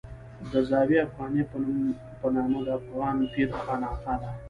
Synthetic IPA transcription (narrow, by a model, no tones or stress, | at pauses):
d̪əzɑːwiafɣɑːnepənum | pənɑːmod̪əafɣɑːnpiɾxɑːnɑːsad̪a